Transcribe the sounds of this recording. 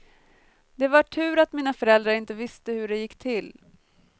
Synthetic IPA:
d̪ɛvaʈʰʉ̟ːɾat̪miːnafœɾɛld̪ɾaɾɪnt̪əvɪst̪əhɵɖɛjɪkːt̪ʰɪl

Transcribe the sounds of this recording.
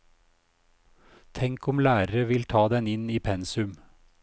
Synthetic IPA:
t̪ʰɛŋkɔmlæːɾəɾəʋɪlt̪ʰɑːd̪ɛnɪniːpʰɛnsʉm

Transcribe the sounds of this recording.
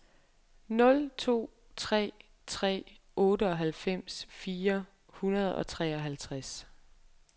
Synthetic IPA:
nɔ̽lt͡sʰo̝̰ː | t͡sʰʁɛ̰ː | t͡sʰʁɛ̰ː | ʔɔ̽ːɾəɒ̽ɦælfem̰sfiːɐ | hunɐð̞̩ˠɒ̽t͡sʰʁɛ̰ːɒ̽ɦælt͡sʰʁas

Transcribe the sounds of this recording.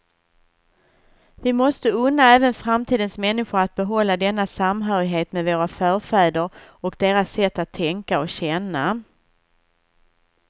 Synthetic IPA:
vɪmɔst̪əɵnːaɛːvənfɾamt̪ʰiːd̪ənsmɛnːɪɧʊɾat̪̚bɛɦɔlːad̪ɛnːasamɦœːɾɪɦeːt̪meːd̪voːɾafœːɾfɛːd̪əɾɔkd̪eːɾasːɛt̪ːat̪ʰːɛŋkaɔkɕɛnːa

